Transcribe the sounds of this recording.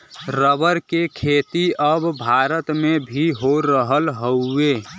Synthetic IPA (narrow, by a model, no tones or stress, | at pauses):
ɾəbəɾkekʰet̪iəbbʱaɾət̪mebʱiɦoɾəɦəlɦəʊe